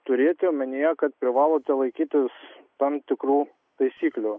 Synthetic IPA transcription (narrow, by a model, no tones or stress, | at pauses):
t̪ʊɾʲeːt̪ʲːmʲɪnʲijɛkɐt̪pʲɾʲɪʋɑːlˠoːt̪ʲɛlˠɐɪkʲiːt̪ʲɪst̪ɐmt̪ʲɪkɾuː | t̪ɐɪsʲiːklʲuː